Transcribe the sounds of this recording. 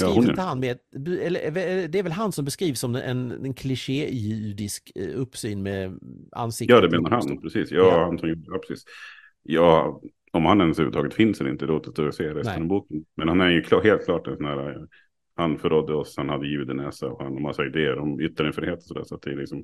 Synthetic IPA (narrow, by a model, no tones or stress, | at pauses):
jɑːʊnt̪əhanmeːbɛlːəɛvɛɛd̪ɛæɾvɛlɦansɔmbɛskɾiːvsɔmɛ̰nnkʰlɪʂeːjyd̪ɪskɵpːsyːnmɛa̰nːsɪkjɑːd̪ɛmeːnaɾhanpʰɾɛsiːsjɑːhansɔmjuːɖəjaːpʰɾɛ̥sḭːs | jɑː | ɔmhanːɛnːəshʉːvəɾt̪ʰɑːɡət̪fɪnsɛlɪ̰nt̪əd̪oːt̪ət̪oseːɾɛsəɾɔmbuːkənmɛnhanæɾjɵkʰlɑheːlt̪̚kʰlɑːʈɛnsɔnhæːɾa | hanfœɾɔd̪ːəɔshanhad̪ːəjʉ̟ːd̪ənɛːsa̰ɔha̰nɔmasːaɪd̪eːəɾɔmʏt̪ːaɾɪŋfɾɪheːt̪ɔsɔd̪æ̰ɾʂɔat̪̚d̪ɛlɪksɔm